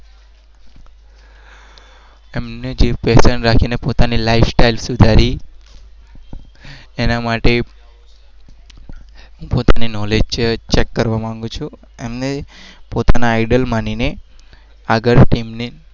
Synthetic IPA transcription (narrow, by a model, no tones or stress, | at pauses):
emned͡ʒepɛsənɾakʰinepot̪anilaifsʈailsud̪ʱaɾi | enamaʈe | ɦũpot̪aninɔled͡ʒt͡ʃt͡ʃekːəɾʋamãŋɡũt͡ʃʰũ | emnepot̪anaːiɖəlmanine | aɡəɾʈimne